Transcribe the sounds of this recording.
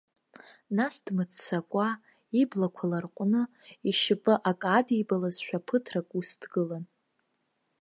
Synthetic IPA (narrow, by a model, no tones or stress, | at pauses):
nasdmɨt͡sʰːakʷʼa | iblakʷʰalarqʷʼnɨiʃɪpʼɨʔakʼadibalazʃᶣapʰɨtʰrakʼusdɡɨlan